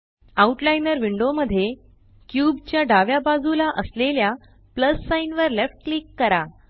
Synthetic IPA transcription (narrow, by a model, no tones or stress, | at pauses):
auʈlajnəɾʋiɳɖoməd̪ʱːje | kjubt͡ɕjaɖaʋjabad͡zulaʔəslelja | pləsːainʋəɾlefʈ̚klikːəɾa